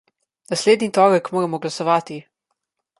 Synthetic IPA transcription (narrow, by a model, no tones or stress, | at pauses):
nasleːd̪nit̪ɔːɾəkmoːɾɛmɔɡlasɔʋaːt̪i